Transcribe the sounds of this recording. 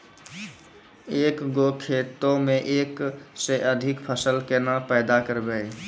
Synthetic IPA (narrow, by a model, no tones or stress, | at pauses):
ekɡokʰet̪õmeʔekseʔəd̪ʱikpʰəsəlkenapəɪd̪akəɾbe